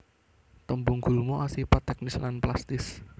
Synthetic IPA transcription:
t̪əmbuŋɡ̥ṳlmoʔasipat̪ɛk̚nɪslanplast̪ɪs

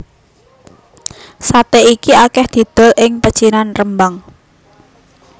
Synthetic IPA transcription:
sat̪eʔikiakɛhd̪̥i̤d̪̥ɔ̤lʔɪŋpə̥t͡ʃinanrəmbaŋ

